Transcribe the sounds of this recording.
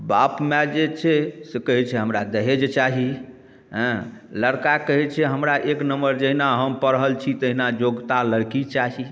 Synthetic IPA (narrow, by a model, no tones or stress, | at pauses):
bapmɛd͡ʒet͡ʃʰɛsekəɦɛt͡ʃʰɛɦəmɾad̪əɦed͡ʒet͡ʃaɦi | ɦə̃ləɽkakəɦɛt͡ʃʰɛɦəmɾaʔeknəmbəɾd͡ʒəɦinaɦəmpəɾɦəlt͡ʃʰit̪əɦinad͡ʒoɡt̪aləɽkit͡ʃaɦi